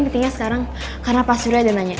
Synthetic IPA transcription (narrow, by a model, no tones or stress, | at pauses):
int̪iŋɲasə̥kaɾaŋ | kaɾənapasuɾjadanaɲa